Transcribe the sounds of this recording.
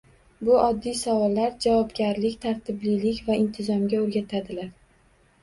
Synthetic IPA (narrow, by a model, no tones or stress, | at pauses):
bʊʔɒd̪ːijsavɒlˠːaɾd͡ʒavɒbɡʲaɾlɪkʲt̪ʰaɾt̪ʰɪblijlɪkʲvaɪnt̪ʰɪzɒmɡʲaoɾɡʲat̪ʰad̪ɪlaɾ